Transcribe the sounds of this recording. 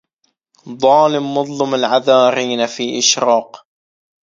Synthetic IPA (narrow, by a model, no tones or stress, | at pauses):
ðˤɑːlɪmːʊðˤlɑmalʕaðaːɾiːnafiːʔɪʃɾɑːq